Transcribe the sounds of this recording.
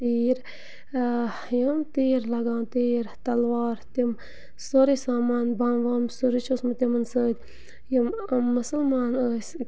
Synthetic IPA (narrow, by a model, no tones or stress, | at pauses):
t̪iːɾ | jəmt̪iːɾlɐɡãːnt̪iːɾt̪ɐlʋɑːɾt̪im | soɾisaːmaːnbaːnʋaːmsoɾit͡ʃʰosmɨt̪imɐnsəːd̪ʲ | jimːɐsəlmaːnəːs